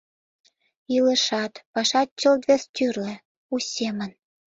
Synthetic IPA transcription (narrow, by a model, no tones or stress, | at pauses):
ilə̆ʃɑt̪pɑʃɑt̪̚t͡ɕə̆lt̪vest̪ʲyrlĕ | usʲemən